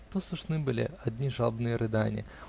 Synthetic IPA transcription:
t̪osˠʊʂnɨbɨlʲɪ̰ɐd̪ʲnʲiʐalˠbnɨjəɾʔɨd̪anʲɪ̰

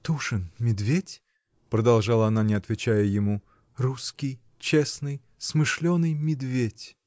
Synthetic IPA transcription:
t̪uʂɨnmʲɪd̪vʲetʲ | pɾəd̪ɐlˠʐalˠəɐnanʲɪɐt̪vʲɪt͡ɕæjəjɪmu | ruskʲɪj | t͡ɕesnɨj | smɨʂlʲonːɨjmʲɪd̪vʲetʲ

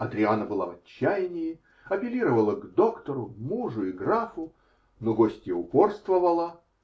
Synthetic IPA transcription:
ɐd̪ɾʲɪanəbɨlˠaɐt͡ɕːæjnʲɪjɪ | ɐpʲɪlʲiɾəvəlˠəɡd̪o̞kt̪əɾʊmuʐʊiɡrafʊ | noɡosʲtʲjeʊpo̞rst̪vəvəlˠə

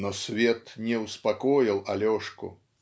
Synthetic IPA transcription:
nɔsʲvʲet̪nʲɛʊspɐkɔjɪlˠɐlʲɔʂkʊ̰

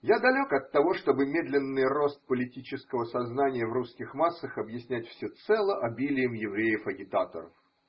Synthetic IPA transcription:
jad̪ɐlʲokɐt̪ːɐvo̞ʂt̪o̞bɨmʲe̞d̪lʲɪnːɨjro̞st̪̚pəlʲɪtʲit͡ɕɪskəvəsɐznanʲɪjəvruskʲɪxmasːəxɐbjɪsʲnʲætʲfsʲɵt̪sɛlˠəʔɐbʲilʲɪjɪmjɪvɾʲejəfɐɡʲɪt̪at̪ə̰ɾə̰f

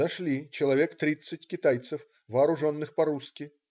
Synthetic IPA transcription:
ɐʂlʲit͡ɕɪlˠɐvʲekt̪ɾʲit̪sɨtʲkʲɪt̪ajt̪sɨf | vɐːɾʊʐɔnːɨxpɐɾuskʲi

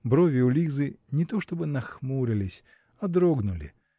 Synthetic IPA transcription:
bɾovʲɪʊlʲizɨnʲɪt̪o̞ʂt̪o̞bɨnɐxmuɾʲɪlʲɪsʲ | ɐd̪ɾoɡnʊlʲɪ̰

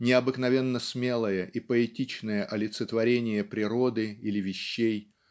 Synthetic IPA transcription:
nʲɪɐbɨknɐvʲe̞nːəsmʲe̞lˠəjəʔipəɪtʲit͡ɕnəjəʔɐlʲɪt̪sət̪vɐɾʲenʲɪjəpɾʲɪɾo̞d̪ɨilʲɪvʲɪɕːej

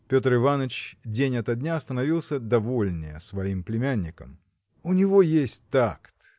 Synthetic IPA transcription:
pʲo̞t̪rɨvanət͡ɕdʲenʲɐt̪ɐdʲnʲaɐst̪ənɐvʲilˠsʲəd̪ɐvolʲnʲɪjə̰svɐimplʲɪmʲænʲːɪkə̰m | ʊnʲɪvo̞jesʲtʲt̪akt̪

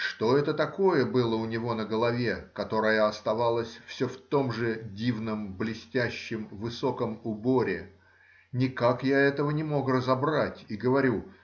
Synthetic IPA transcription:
ʂt̪o̞ɛt̪ət̪ɐko̞jəbɨlˠəʊnʲɪvo̞nəɡəlˠɐvʲekɐt̪o̞ɾəjəɐst̪ɐvalˠəsʲfsʲoft̪o̞mʐɨdʲivnəmblʲɪsʲtʲæɕːɪmvɨso̞kəmʊbo̞ɾʲɪ | nʲɪkakjaɛt̪əvənʲɪmo̞krəzɐbɾatʲiɡəvɐɾʲu

